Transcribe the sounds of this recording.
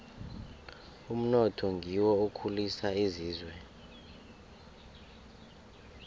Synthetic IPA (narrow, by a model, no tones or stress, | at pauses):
um̩nɔtʰɔŋɡʱiwɔukʰulisaiziːzwɛ